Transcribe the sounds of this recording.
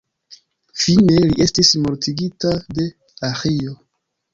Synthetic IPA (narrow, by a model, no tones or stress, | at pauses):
fine̞liʔe̞stismoɾtiɡitade̞ | axijo